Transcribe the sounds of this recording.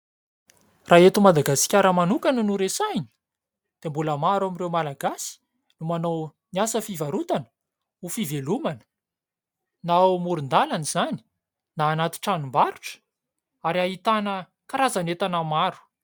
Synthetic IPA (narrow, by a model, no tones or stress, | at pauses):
raet̪umad̪aɡasi̥kʲaɾəmanukanənuɾesajni̥ | d̪̥embuləmaɾamirewmalaɡasi̥ | numanow | niasəfivaɾut̪anə̥ | ufivelumanə̥ | namuɾund̪alanizani̥ | naːnat̪i̥ʈ͡ʂanumbaɾu̥ʈ͡ʂə̥ | aɾiaɦit̪anə | kaɾazanet̪anamaɾu̥